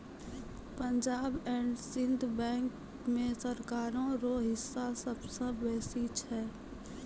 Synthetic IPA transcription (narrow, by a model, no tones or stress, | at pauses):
pə̃ɲd͡ʒaːbɛ̃ːɳɖsɪ̃nd̪ʱbɛ̃ːŋk | mẽsəɾkaːɾõɾoɦɪsːasəbsə̃bɛːsit͡ʃʰɛː